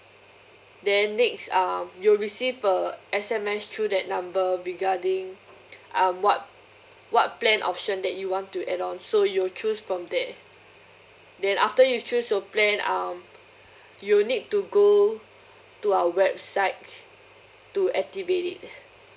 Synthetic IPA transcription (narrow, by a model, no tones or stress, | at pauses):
dɛ̃nːɛksamjuɹisivəɛsɛ̃mɛstʰɹudɛt̚nãmbəɹiɡadĩŋ | ʔãmwɔt̚ | wɔt̚plɛ̃nʔɔ̰p̚ʃə̃ndɛt̚juwɔ̃ntːuʔɛdɔ̃nsojut͡ʃusfɹɔ̃mdɛt | dɛ̃nʔaftəjut͡ʃusjuplɛ̃nãm | julnid̚tuɡo | tuaəwɛb̚saɪt̚ | tuɛk̚tivetḭt̚